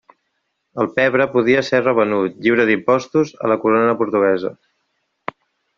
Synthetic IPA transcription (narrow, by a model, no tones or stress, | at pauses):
əlˠpɛβɾəpuð̞iəserəβənut̪ʎiwɾəðimpɔst̪uzə̰ləkuɾonəpuɾt̪uɣɛzə̰